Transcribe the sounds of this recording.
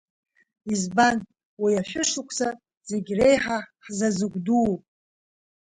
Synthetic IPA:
izban | wijaʃʷᶣʊʂʊkʷʰsa | z̥e̞ɡʲre̞jħaħzazɨɡʷdupʼ

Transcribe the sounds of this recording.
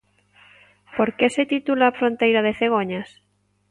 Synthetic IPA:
poɾkeset̪it̪ulafɾõnt̪ejɾað̞eθeɣ̞oɲas

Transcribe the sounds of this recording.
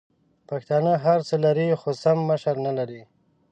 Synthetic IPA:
paxt̪ɑnəɦaɾt͡səlaɾixosamːəʃaɾnalaɾi

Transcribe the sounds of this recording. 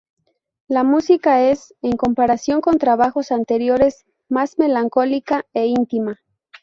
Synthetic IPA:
lamusikae̞se̞ŋko̞mpaɾasjo̞ŋko̞nt̪ɾaβaxo̞sant̪e̞ɾjo̞ɾe̞s | mazme̞laŋko̞likaeint̪ima

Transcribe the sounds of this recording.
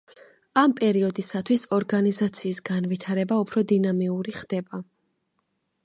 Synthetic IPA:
ampʼɛɾiɔd̪isat̪ʰwisɔɾɡanizat̪sʰiːsɡanvit̪ʰaɾɛbaupʰɾɔd̪inamiuɾiχd̪̥ɛba

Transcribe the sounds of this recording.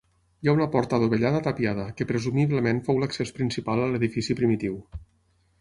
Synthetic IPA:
jaunəpɔɾt̪əðoβəʎaðət̪əpjað̞əkəpɾəzumiβləmenfowləksespɾinsipalˠələðifisipɾimit̪iw

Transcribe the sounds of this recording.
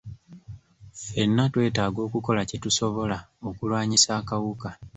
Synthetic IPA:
fe̞nːatwe̞ːtaːɡo̞ːkuko̞lacetuso̞βo̞lao̞kulwaːɲisaːkawuka

